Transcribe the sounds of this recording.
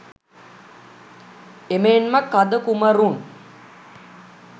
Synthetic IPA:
emeːnmakːad̪əkuməɾun

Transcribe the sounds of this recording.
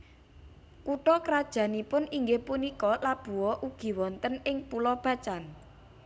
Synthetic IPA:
kuʈɔkɾad̥ʒ̥ä̤nipʊniŋɡehpunikɔlab̥ṳwɔʔuɡ̥i̤wɔnt̪ənɪŋpulɔb̥ä̤t͡ʃan

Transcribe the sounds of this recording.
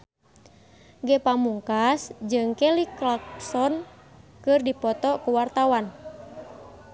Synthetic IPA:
ɡɛpamuŋkasd͡ʒɨŋkɛliklaksɔn | kɨrdipɔt̪ɔkuwart̪awan

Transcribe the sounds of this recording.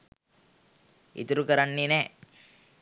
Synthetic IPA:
ḭt̪uɾukəɾaɳːine

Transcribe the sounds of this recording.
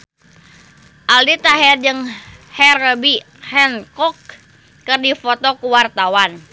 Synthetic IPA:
ʔaldit̪aɦɛrd͡ʒɨŋhɛrəbi | hɛnkɔkː | ɨrdifɔt̪ɔkuwart̪awan

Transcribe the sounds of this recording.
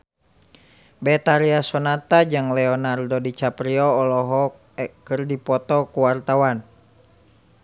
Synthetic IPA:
bɛt̪aɾiasɔnat̪ad͡ʒɨŋlɛɔnardɔdit͡ʃapɾiɔːlɔɦɔ | kɨrdipɔt̪ɔkuwart̪awan

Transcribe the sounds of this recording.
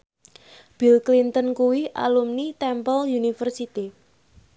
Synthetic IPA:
b̥ilklint̪ənkuwiʔa̰lumnit̪ɛmpəljunifərsit̪i

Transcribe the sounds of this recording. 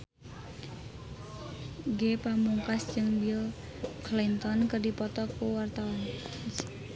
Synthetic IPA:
ɡepamuŋkasd͡ʒɨŋbil | klint̪ɔnkərdipɔt̪ɔkuwart̪awan

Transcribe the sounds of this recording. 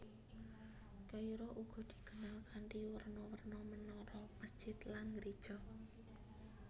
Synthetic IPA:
kəiɾɔʔuɡ̥ɔ̤d̪̥i̤̥ɡ̥ə̤nalkanʈiwərnɔwərnɔmənɔɾɔməsd͡ʒ̥ɪt̪lanŋɡɾi̥ʒ̥ɔk̚

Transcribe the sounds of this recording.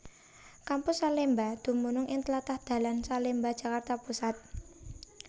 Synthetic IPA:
kampʊsːalembad̪̥ṳmunʊŋʔɪŋt̪əlat̪ahd̪̥ä̤lansalembad̥ʒ̥a̤kart̪apusat̪̚

